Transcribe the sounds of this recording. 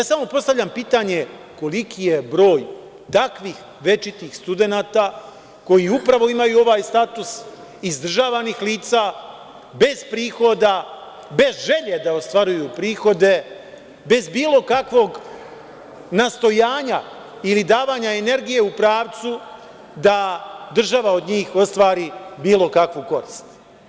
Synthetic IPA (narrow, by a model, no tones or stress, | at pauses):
aːsamo̞po̞st̪avʎʲampiːt̪aɲe̞ | ko̞likʰije̞bɾo̞ːj | t̪akʋiːx | ʋe̞t͡ʃit̪iːxst̪ud̪e̞naːt̪a | ko̞jiupɾaʋo̞imajuo̞ʋaːjst̪at̪us | izd̪r̩ʒaːʋanixliːt̪saː | be̞z̥pɾiːxo̞d̪a | be̞zʒe̞ʎe̞d̪aost̪ʋaɾujupɾiːxo̞d̪e̞ | be̞zbiːlˠo̞kakʋo̞ɡ | nast̪o̞jaːɲa | ilid̪aːʋaːɲae̞ne̞ɾɡije̞upɾaːʋt̪su | d̪ad̪r̩ʒaʋao̞d̪ɲiːxo̞st̪ʋaːɾibiːlo̞kakʋuko̞ɾiːst̪